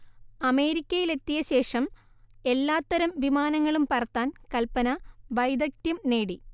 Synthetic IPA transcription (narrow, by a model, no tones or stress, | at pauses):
ɐme̞ːɾikʲːɐjile̞t̪ːijɐɕe̞ːʂɐm | e̞lːaːt̪ːɐɾɐmʋimaːnɐŋːɐɭumpɐrɐt̪ːaːnkɐlpːɐnɐʋɐjd̪ɐk̚t̪jɐmne̞ːɽi